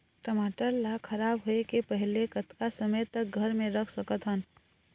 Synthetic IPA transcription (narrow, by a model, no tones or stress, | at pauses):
ʈəmaːʈəlːakʰɐɾaːbɦoekepəɦɪlekət̪kasəməjt̪ək̚ɡʱəɾmẽɾəkʰsəkət̪ɦən